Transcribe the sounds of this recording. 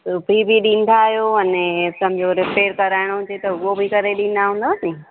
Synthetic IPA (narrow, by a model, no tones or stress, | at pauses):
sʊbʱibiɗĩːn̆d̪aːɦjoɐnesɐ̃m̤d͡ʑoɾɪpeːɾkɐɾaːɪɽ̃oɦʊd͡ʑet̪ɐʊobɪkɐɾeɗĩːn̆d̪aɦũːnd̪asĩː